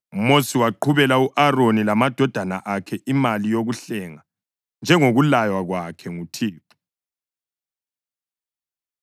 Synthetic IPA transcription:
umosiwaǃʰuβɛlauʔaronilamad̥ʱɔd̥ʱana̰ʔakʰɛʔimalijoɣuɬɛŋa | nd͡ʒʱɛŋoɣulajwaɣwakʰɛŋutʰiːpʰu̥

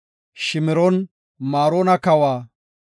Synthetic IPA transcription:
ʃɪmɪɾɔn | maːɾoːnɐkɐwaː

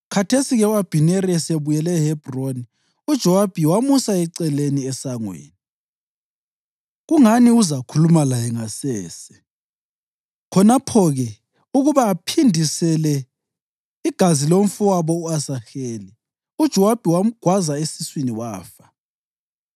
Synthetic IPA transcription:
kʰatʰesiɣɛuab̥ʱinɛɾiɛseβujɛlɛhɛb̥ʱroni | ud̥ʒ̥ʱɔwab̥ʱiwamusaɛǀɛleniɛsaŋwḛːni | ɣuŋaniuzakʰulumalajɛŋasɛːsɛ̥ | kʰɔnapʰɔɣɛ | uɣuβaːpʰindʱisɛlɛ | iɡ̥ʱaziloɱ̩fuwaβɔuasaxeːli | ud̥ʒ̥ʱɔwab̥ʱiwaɡ̥wazaesiswiniwa̰ːfḁ

